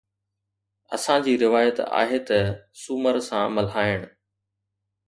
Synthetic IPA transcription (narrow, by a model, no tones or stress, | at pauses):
ɐ̰sãd͡ʑiːɾɪʋaːjət̪a̰ːɦet̪ɐsuməɾsã̰mɐlɦaːɪɽ̃̆